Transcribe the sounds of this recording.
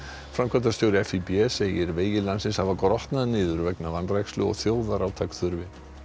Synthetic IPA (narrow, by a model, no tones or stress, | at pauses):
fɾamkʰvat̪̬ast̪joːwɾɪɛfipiɛseːjɪɾveːjɪlansɪnshavakɾɔht̪naðnɪːðʏɾvɛknavanɾajkslʏ̰ɔ̰ɣθjoːwðaɾaːwt̪ʰakθʏɾvɪ